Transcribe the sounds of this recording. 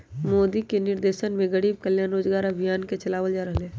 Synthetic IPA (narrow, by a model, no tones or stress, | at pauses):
moːd̪ikenɪɾd̪eːʃənmẽɡəɽiːb̚kəljaːnɾoːd͡ʒɡaːɾɐbʱijaːnket͡ʃɐlaːʋəld͡ʒaːɾəɦleː